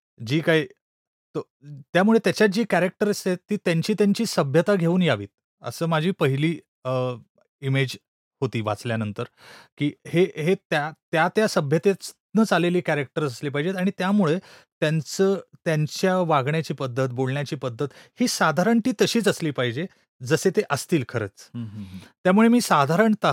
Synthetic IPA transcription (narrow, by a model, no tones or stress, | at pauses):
d͡ʑiːkai | t̪o | t̪jamuɭet̪jat͡ɕjat̪̚d͡ʑiːkæɾek̚ʈəɾəst̪et̪iːt̪jaɲt͡ɕiːt̪jaɲt͡ɕiːsəbʱjət̪aɡʱeuːnjaʋḭːt̪̚ | ə̰səːmad͡ʑʱiːpəɦiliː | ə | imed͡ʑ | hot̪iːʋa̰t͡sljanənt̪əɾkiːheɦet̪jat̪jat̪jasəbʱjət̪et͡s | nət͡saleliːkæɾek̚ʈəɾt͡səsliːpaɦid͡ʑet̪aɽ̃it̪jamuɭet̪jant͡səːt̪jaɲt͡ɕjaʋaɡɳjat͡ɕiːpəd̪ʱːət̪̚bolɳjat͡ɕiːpəd̪ʱːət̪hiːsad̪ʱaɾəɳt̪iːt̪əɕiːt͡səsliːpaɦid͡ʑe | d͡zəset̪eʔəst̪iːlkʰəɾə̰t͡s | t̪jamuɭemiːsad̪ʱaɾəɳt̪a